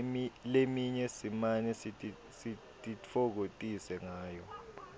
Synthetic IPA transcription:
ilemiɲɛsimanɛsitʼi | si | tʼit͡fʰok̬otʼisɛŋaːjɔ

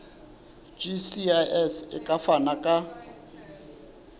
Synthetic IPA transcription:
d͡ʒisiaʔɛsɪkʼafanakʼa

